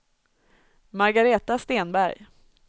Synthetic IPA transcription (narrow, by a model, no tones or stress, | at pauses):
maɾɡaɾeːt̪ast̪eːnbæɾj